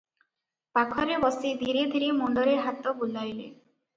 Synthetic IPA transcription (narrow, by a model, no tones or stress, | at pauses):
pakʰɔɾebɔsid̪ʱiɾed̪ʱiɾemɔɳɖɔɾeɦat̪ɔbulajlḛ